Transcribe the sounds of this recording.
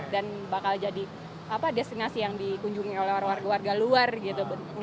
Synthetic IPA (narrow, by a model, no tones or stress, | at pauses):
danbakald͡ʒadi | apadest̪inasijaŋdikuɲd͡ʒuŋiolɛhrwarɡawarɡaluarɡit̪ubŋ